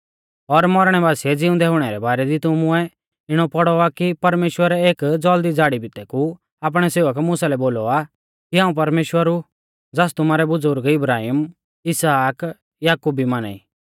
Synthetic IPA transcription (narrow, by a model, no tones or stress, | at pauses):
ɔɾmɔɾɽ̃ɛbaːsiɛd͡zɪʊ̃nd̪ɛɦʊɽ̃ɛɾɛbaːɾɛd̪it̪ʊmʊɛ | ɪɽ̃ɔpɔɽɔakipɐɾmeːʃwəɾɛeːkd͡zɔːld̪id͡zaːɽibɪt̪ɛku | aːp̬ɽ̃ɛseːʋəkmʊsalɛboːlɔa | kiɦãːũp̬ɐɾmeːʃwəɾu | d͡zaːst̪ʊmaːɾɛbʊd͡zʊɾɡɪbɾaːɦiːm | ɪsaːk | jaːkuːbimaːna̰ːḭ